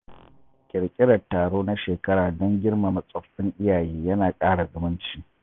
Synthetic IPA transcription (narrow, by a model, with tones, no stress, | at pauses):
kʲʼɪ˨ɽkʲʼɪ˦ɽɐ˨tːaː˨ɽoː˦na˦ʃeː˨kɐ˦ɽaː˨dɐ˦ŋɡʲɪ˦ɽma˨mɐ˨sʼɐ˨ɸːɪ˦ŋʔɪ˦jaː˨jeː˦jɐ˦naː˨kʼaː˦ɽa˨zʊ˦mʊ˦nt͡ʃiː˦